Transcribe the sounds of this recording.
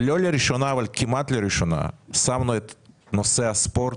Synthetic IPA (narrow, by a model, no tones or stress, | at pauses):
lʲolʲeɾiʃonaʋalʲkʰimat̪lʲeɾiʃona̰samnɔɛt̪ | nosɛaspoɾ